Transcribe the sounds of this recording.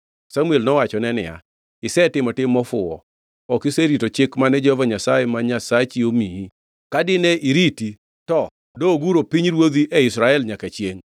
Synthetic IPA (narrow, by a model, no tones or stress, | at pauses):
samuelnɔwat͡ʃɔnɛnɪ̰ja̰ | ɪsɛtɪmɔtɪmɔfʊɔ̰ | ɔkɪseɾitot͡ʃɪkmanɛd͡ʒɛhɔvaɲasajɛmaɲasat͡ʃiomii | kadɪnɛiɾiti | tɔ | doɡuɾopiɲɾwod̪iʔɛɪsɾaɛlɲakat͡ʃjeŋ